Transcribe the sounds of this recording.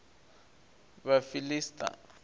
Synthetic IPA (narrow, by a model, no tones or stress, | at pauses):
βafilistʼa̰